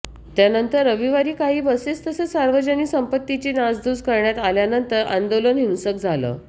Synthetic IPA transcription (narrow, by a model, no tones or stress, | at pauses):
t̪janənt̪əɾəʋiʋaɾiːkaɦiːbəset͡st̪əsesaɾʋəd͡ʑəniːsəmpət̪ːit͡ɕiːnad͡zd̪uːd͡zkəɾɳjat̪aljanənt̪əɾʔa̰nd̪olənɦinsəkd͡zʱalə̰ː